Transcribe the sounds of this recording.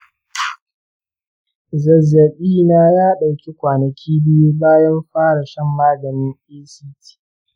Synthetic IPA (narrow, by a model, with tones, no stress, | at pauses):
zɐ˨zːɐ˨ɓiː˦naː˦jaː˦ɗa˨wkʲi˦kʷaː˨nɐ˨kʲʰiː˦bɪ˦ju˦baː˦jɐ˦mɸaː˦ɽa˨ʃɛ˦mːaː˦ɡɐ˨nɪ˦nʔiː˦siː˦tʰi̥ː˦